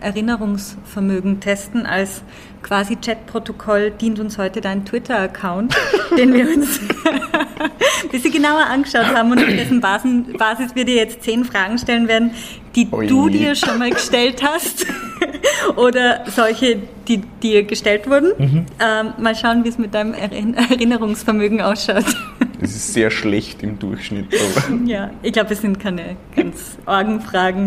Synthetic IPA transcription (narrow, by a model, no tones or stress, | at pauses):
ʔɛɐʁɪnəʁʊŋsfɛɐmøːɡŋ̩tʰɛstn̩ʔa̰ls | kʰv̥aːzit͡ʃɛtpʁ̥otokʰɔld̥iːntʊnshɔʏtədaɪnntw̥ɪtʰɐɐkʰaʊntd̥eːnviːɐʊns | b̥ɪsz̥iːɡənaʊɐʔanɡəʃaʊthaːbm̩ʊntafd̥ɛsn̩baːsb̥aːzɪsviːɐdiːɐjɛt͡stt͡seːnfʁ̥aːɡŋ̩ʃtɛlənveːɐdn̩ | d̥iːd̥uːdiːɐʃonmaːlɡəʃtɛlthast | ʔoːdɐzɔlçəd̥iːd̥iːɐɡəʃtɛltv̥ʊɐdn̩ʔɛmaːlʃaʊənviːɛsmɪt̚d̥aɪnəmɛ̰ɛʁɪnəʁʊŋsfɛɐmøːɡŋ̩ʔaʊsʃaʊtɛsɪstz̥eːɐʃlɛçtɪmdʊɐçʃnɪ̰to̰ːdjaːɪçɡ̥laʊbɛssɪnt̚kʰaɪnəɡ̥ant͡s | ʔɔɐɡŋ̩fʁ̥aːɡŋ̩